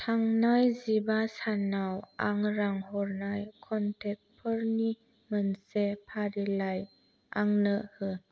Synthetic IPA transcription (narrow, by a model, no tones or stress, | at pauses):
tʰaŋnajzibasanawaŋɾaŋɦɔɾnajkʰɔntʰɛk̚pʰəɾni | mənsepʰaɾilaj | a̰ŋnəhɯ